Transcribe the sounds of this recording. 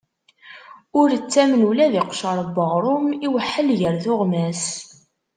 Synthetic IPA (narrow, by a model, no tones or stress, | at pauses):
ʊɾət͡sːæmnulæðiqʃəɾˤbəʁɾˤʊmiwəħːəlʝəɾθʊʁmæs